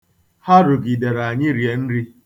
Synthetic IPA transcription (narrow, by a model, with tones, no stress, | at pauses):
ha˦ɾʊ˨ɡi˨de˨ɾa˨a˨ɲɪ˦ɾje˨n̩˦ɾi˦